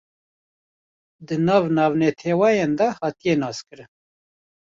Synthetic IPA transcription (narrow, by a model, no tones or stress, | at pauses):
d̪ɨnɑːvnɑːvnɛt̪ʰeːwɑjend̪ahɑːt̪ijenɑːskɨɾɨn